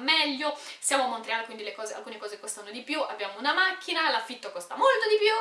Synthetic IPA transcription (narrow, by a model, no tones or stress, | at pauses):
mɛʎːosjaːmomont̪ɾeaːlkwind̪ilekɔːzea̰lkuːnekɔːzekost̪anod̪ipjuabːjaːmounamakʰːinalafːit̪ːokost̪amolt̪od̪ipju